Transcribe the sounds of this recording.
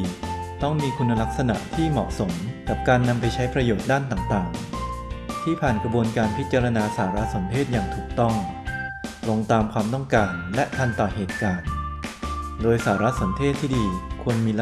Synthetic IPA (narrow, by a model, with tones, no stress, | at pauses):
t̪ɔ˥˩ŋmiː˧kʰu˧nːa˧la˦˥k̚sa˧na̰˨˩ʔt̪ʰiː˥˩mɔ̰ː˨˩ʔso˩˦mka˨˩p̚kaː˧nːa˧mpa˧jt͡ɕʰa˦˥jpɾa˧joː˨˩t̪̚daː˥˩nt̪aː˨˩ŋt̪aː˨˩ŋ | t̪ʰiː˥˩pʰaː˨˩nkɾa˧bu˧ənkaː˧npʰi˦˥t̪̚t͡ɕa˧ɾa˧naː˧saː˩˦ɾa˦˥so˩˦np̪ʰeː˥˩t̪̚jaː˨˩ŋt̪ʰuː˨˩k̚t̪ɔ˥˩ŋ | lo˧ŋt̪aː˧mkʰwaː˧mt̪ɔ˥˩ŋkaː˧nlɛ˦˥ʔt̪ʰa˧nt̪ɔː˨˩ɦeː˨˩t̪̚kaː˧n | doː˧jsaː˩˦ɾa˦˥so˩˦nt̪ʰeː˥˩t̪ʰːiː˥˩diː˧kʰu˧ənmiː˧l